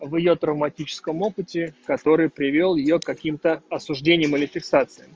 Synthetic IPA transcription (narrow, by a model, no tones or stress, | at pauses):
vjɪjo̞t̪ɾəvmɐtʲit͡ɕɪ̥skəmo̞pɨtʲɪkɐt̪o̞ɾɨjpɾʲɪvʲo̞lˠjɪjo̞kkːɐkʲimt̪əɐsʊʐdʲenʲɪjəmilʲɪfʲɪksat̪sɨjəm